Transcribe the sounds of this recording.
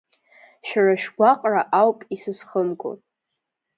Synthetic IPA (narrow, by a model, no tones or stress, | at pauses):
ʃᶣaraʃᶣɡʷaqʼraʔawpʼisɨsχəmɡʼo̰